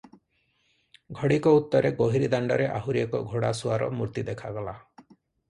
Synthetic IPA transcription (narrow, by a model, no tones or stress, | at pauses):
ɡʱɔɽikɔut̪ːɔɾeɡoɦiɾid̪aɳɖɔɾeʔaɦuɾiekɔɡʱoɽasuaɾɔ̰muɾt̪id̪ekʰaɡɔla